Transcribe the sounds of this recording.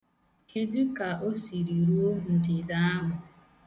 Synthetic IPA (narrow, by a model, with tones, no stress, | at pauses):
ke˦du˦ka˨ʔo˦si˨ɾi˨ɾu˦o˦ɦu˨n̩˨dɪ˨da˦a˦ɦʊ˨